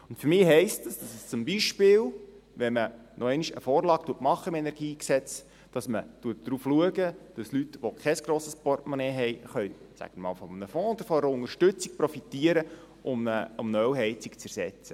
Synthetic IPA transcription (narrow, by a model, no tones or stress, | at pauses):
ʊntfʏɾmɪːɦɛɪstdɑsd̥ɑsəst͡sʊmbiʃpɪːl | ʋɛnmə | nʔɔɛɪniʃəfɔːɾlɑːktuətmɑχːəɪmɛnɛɾɡiːksɛt͡s | d̥ɑsmətuət̚d̥ɾuːfluəɡəd̥ɑslytʋokʰɛsɡ̥ɾoːsəspɔrtmɔnɛːɦɛjχœʏ | sæ̰ɡ̥əmɑ̰ːlfɔmnəfɔ̃ːɔd̥̪əɾfɔɛɾəʊnəɾʃtɵt͡sik̚pɾɔfitiəɾə | ʔʊmnəʊmnœwɦɛɪt͡sikt͡sæɾsɛt͡sə